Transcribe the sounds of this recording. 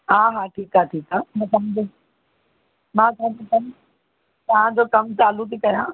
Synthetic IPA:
ɦaːɦaːʈʰiːkaːʈʰiːkaːmãt̪ɐm̃d͡ʑe | mãːt̪ɐɦãd͡ʑokɐm | t̪ɐɦãd͡ʑoːkɐmt͡ɕaːlut̪ʰiːkɐjãː

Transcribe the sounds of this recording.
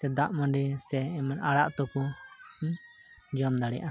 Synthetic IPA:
sɛd̪aʔmɔ̃ɖɛsɛːmanaɽaʔt̪ɔkɔ | d͡ʒɔmd̪aɽɛjaʔa

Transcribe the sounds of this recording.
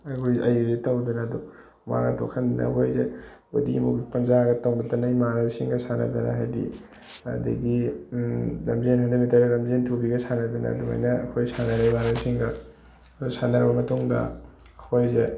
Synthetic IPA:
ɐkʰojʔɐjuzitɐwdunɐdu | ma̰ɡɐtʰo̰kʰɐndinɐ̰ɦojze | odimuɡipɐnzaɡɐtawnɐtɐnajmaɾawsiŋɡɐsanɐ̰dunɐ̰ɦajdḭ | ɐ̰dɐ̰ɡi | lɐmzenhandɐmitɐɾɾɐmzentʰubiɡɐsʰanɐdunɐ̰duma̰jnɐɐkʰojsanɐɾajmaɾɐwsiŋɡɐ | dusanɐɾbɐmɐtuŋdɐ̰ | hojze

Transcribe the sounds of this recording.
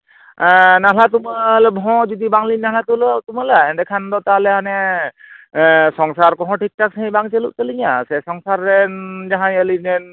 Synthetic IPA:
naɦlat̪umalbʱɔ̃zɔd̪ibaŋlinnaɦlat̪ulɔt̪umalaɛndɛkʰand̪ɔt̪aɦlɛɦanɛ | sɔŋsaɾkɔɦɔ̃ʈʰik̚tak̚saɦĩbaŋt͡ʃelṵʔt̪əliŋjasɛsɔŋsaɾːɛnzaɦãəlinɛn

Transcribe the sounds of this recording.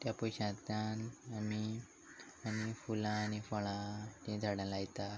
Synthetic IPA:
t̪japɔjɕãt̪anami | añifulãːnifɔɭãtĩd͡zʱaɽãlajt̪a

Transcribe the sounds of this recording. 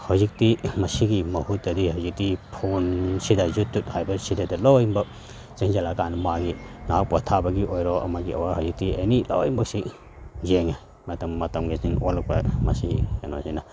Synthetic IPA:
hawzik̚timɐsiɡimɐhut̚dɐdihawzik̚tipʰonsidajzutːut̚hajbɐɾsidajdɐlowjimbɐ | ziŋzalakanmaɡinak̚pɔtʰabɐɡiojɾɔʔɐ̰maɡiɐ̰wahawzik̚tiḛjnilowjimbɐk̚si | zeŋa | matɐmːɐtɐmɡiziŋolɐk̚pɐ̰mɐsikanazina

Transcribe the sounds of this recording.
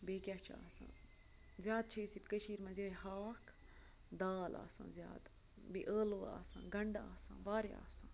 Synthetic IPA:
beːkjat͡ʃʰaːsã̰ː | zjaːd̪̚t͡ʃʰeːsit̪kəʃiːɾmɐ̃nzeːhaːkʰ | d̪aːla̰ːsã̰ːzja̰ːd̪ | biʔəːloːa̰ːsã̰ːɡɐɳɖaːsã̰ːʋaːɾja̰ːsãː

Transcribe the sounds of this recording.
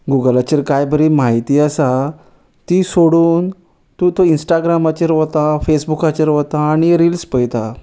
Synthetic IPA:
ɡuɡəlat͡ɕeɾkajbəɾiːmaɦit̪iːəsa | t̪iːsoɽuːn | t̪ũt̪oinsʈaɡɾamat͡ɕeɾʋot̪afesbukat͡ɕeɾʋt̪aːɽ̃iɾilspəjt̪a

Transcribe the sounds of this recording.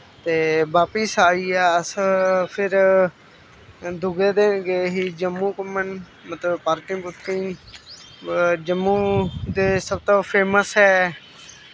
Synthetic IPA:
t̪eːbaːpɪsaːiːɛːəspʰɪɾ | d̪ʱʊɡeːd̪eːɡeːɦiːd͡ʒəmːũːkəmən | mət̪ləbpaːɾkɪŋbʊt̪kiː | d͡ʒəmːuːd̪eːsəb̚t̪oːpʰeːməsɦɛː

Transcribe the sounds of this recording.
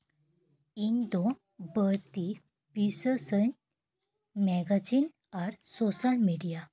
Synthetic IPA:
ind̪o | bəɾt̪i | pisəsən | mɛɡad͡ʑin | aɾsɔsalmeɽija

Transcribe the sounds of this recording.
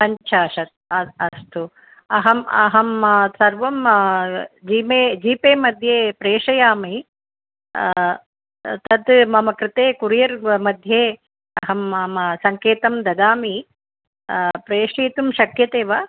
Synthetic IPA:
sɐɲt͡ʃʰaːʃɐt̪̚ɐɐst̪ʰu | ɐɦɐmɐ̰ɦɐmsɐɾʋɐm | d͡ʒiːmeːd͡ʒiːpeːmɐd̪ʱjeːpɾeːʂɐjaːmi | t̪ɐd̪mɐmɐkɾɪt̪eːkuɾjɐɾmɐd̪ʱjeː | ɐɦɐmɐmsɐŋkeːt̪ɐmd̪ɐd̪aːmi | pɾeːʂiːt̪umʃɐkjɐt̪eːʋɐ

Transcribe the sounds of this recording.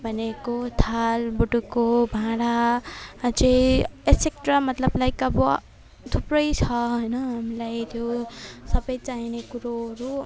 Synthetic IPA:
bʱʌnekot̪ʰalbuʈukobʱãɽa | t͡seesek̚ʈrʌmʌt̪lʌblajkʌbʌ | t̪ʰuprʌjt͡sʰʌɦʌjnʌɦamilajt̪ʰjosʌbʌjt͡saɦinekuɾoɦʌɾu

